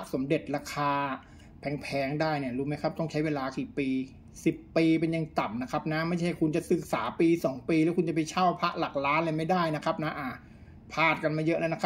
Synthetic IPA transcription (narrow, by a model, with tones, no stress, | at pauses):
ʔso˩˦mde˨˩t̪̚ɾaː˧kʰaː˧ | pʰɛː˨˩˦ŋpʰɛː˨˦ŋdaː˥˩jni˧˥˩ɐɾuː˦˥ma˦˥jkʰa˦˥p̚t̪ɔ˥˩ŋt͡ɕʰa˦˥jweː˧laː˧kiː˨˩piː˧ | si˨˩pːiː˧p̬e˧njaː˨˩ŋt̪a˨˩mna˦˥kʰa˦˥p̚na˦˥ma˥˩jʰa˥˩a˩ku˧nt͡ɕa˨˩sɯ˨˩k̚saː˩˦piː˧sɔː˩˦ŋpiː˧lɛː˦˥wkʰu˧nt͡ɕa˨˩pa˧nt͡ɕʰaː˥˩wpʰa˦˥ʔla˨˩k̚ɾaː˦˥nlaː˧jma˥˩jdaː˥˩jna˦˥kʰa˦˥p̚na˦˥ʔa˨˩ | pʰaː˧˩t̪̚ka˧nmaː˧˩jɤ˦˥ʔla˦˥na˦˥kʰa˦